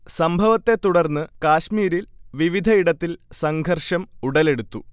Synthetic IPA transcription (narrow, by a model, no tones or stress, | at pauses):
sɐmbʱɐʋɐt̪ːe̞t̪uɽɐrnːɨkaːɕmiːɾilʋiʋid̪ʱɐiɽɐt̪ːilsɐŋɡʱɐrʂɐmuɽɐle̞ɽut̪ːu